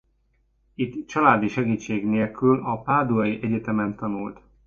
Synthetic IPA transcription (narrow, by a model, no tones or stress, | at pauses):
it̪ːt͡ʃɒlaːd̪iʃɛɡiːt͡ʃːeːɡneːlkylɒpaːd̪uɒjiʔɛɟɛt̪ɛmɛnt̪ɒnult̪